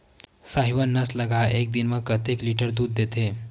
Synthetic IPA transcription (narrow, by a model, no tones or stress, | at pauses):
saɦiʋənːasləɡʱaek̚d̪inməkət̪ekliʈəɾd̪uːd̪ːet̪e